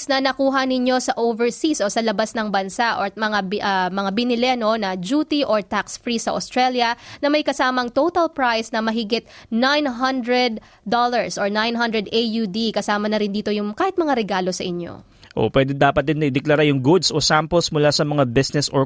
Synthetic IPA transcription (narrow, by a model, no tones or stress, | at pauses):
snɐnɐkuːɦɐnɪɲjo̞sɐʔowvɛɹsisʔo̞sɐlɐbasnɐŋbɐnsaʔomɐŋaʔɐmɐŋabɪnɪlɛno̞nɐd͡ʒuːt̪iʔoɹt̪aksfɹisɐʔost̪ɾɛljɐnɐmɐjkɐsaːmɐŋt̪owt̪ɐlpɹajsnɐmɐɦɪɡɪt̪̚najnɦɐnd̪ɹɛd̪̚ː | olɐɹsʔoɹnajnɦɐnd̪ɾɛd̪ʔejud̪ikɐsaːmɐnɐɾɪnd̪iːt̪o̞jʊŋkaːhɪt̪mɐŋaɾɛɡaːlo̞sɐʔɪɲːo̰ | ʔo̰pwɛːd̪ɛd̪aːpɐt̪̚d̪ɪnːɐʔɪd̪ɛklaɾajʊŋɡʊd̪sosampɛlsmʊlasɐmɐŋabɪsnɛso